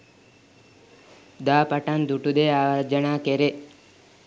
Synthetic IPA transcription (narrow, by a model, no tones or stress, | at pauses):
d̪aːpɐʈand̪uʈud̪eaːʋɐɾd͡ʒɐɳaːkeɾe